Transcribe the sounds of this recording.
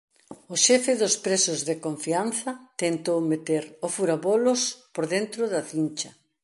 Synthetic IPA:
ʊʃɛfɪðʊspɾesʊzðekoɱfianθɐt̪ent̪owmet̪eɾʊfuɾaβolʊspoɾðent̪ɾʊðɐθint͡ʃɐ

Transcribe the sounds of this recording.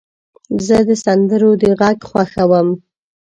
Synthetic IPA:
zəd̪əsand̪əɾod̪əɣaɡxwaxawəm

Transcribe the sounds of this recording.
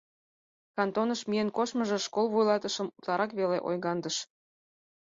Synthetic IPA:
kɑnt̪onəʃmijenkoʃməʒĕʃkolˠβujlˠɑt̪əʃə̆mut̪lɑɾɑkβelḛʔo̰jɣɑnd̪əʃ

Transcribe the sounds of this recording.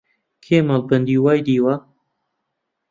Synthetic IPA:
kʰeːmɐlbɐnd̪iːwaːjd̪iːwɐ

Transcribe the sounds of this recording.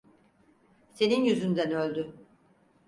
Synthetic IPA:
se̞ninjyzynd̪ænølʲd̪y

